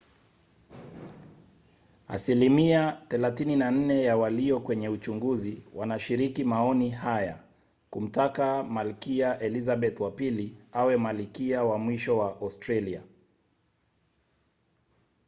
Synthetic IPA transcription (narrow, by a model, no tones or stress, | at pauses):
a̰silimiaθɛlaθininan̩nɛjawaliɔkwɛɲɛut͡ʃuŋɡuziwanaʃiɾikimaɔnihaja̰ | kum̩takamalkiaʔɛlizaɓɛtwapiliawɛmalikiawamwiʃɔwaʔastɾalia̰